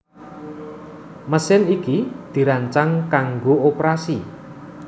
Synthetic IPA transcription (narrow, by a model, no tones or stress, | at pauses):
məsɪnikid̪̥i̤ɾaɲt͡ʃaŋkaŋɡoopɾasi